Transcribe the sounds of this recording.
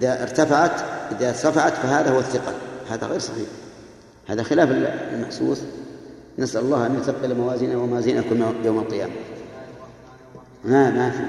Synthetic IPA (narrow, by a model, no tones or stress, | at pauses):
ʔɪðaʔɪ̰ɾt̪afaʕat̪ʔɪðat̪afaʕat̪faɦaːðahʊwaθːɪqɑhaːða̰ɣeːɾsˤɑħḭːħ | haːðaxɪlaːfɪllmaħsˤṵːsˤ | nasʔalʊlˤːɑːhʔanjʊt̪aq̚bɪlmawaːziːnawamawaːziːnʔakuːmjoːmɑlqɨja̰ːma | mamafḭ